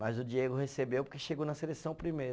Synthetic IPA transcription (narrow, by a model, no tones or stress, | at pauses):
mɐjzʊd͡ʒieɡʊhesebewpoɾkeʃeɡownɐselesɐ̃w̃pɾimejɾɐ